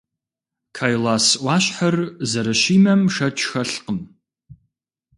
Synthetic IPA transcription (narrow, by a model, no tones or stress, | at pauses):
kʰaːjlaːsʔʷɑːɕħɐrzɐɾɐɕiːmɐmʂɐt͡ʃʰʼxɐɬqəm